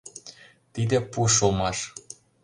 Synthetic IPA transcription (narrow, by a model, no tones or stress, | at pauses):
t̪id̪ĕpuʃ̬olmɑʃ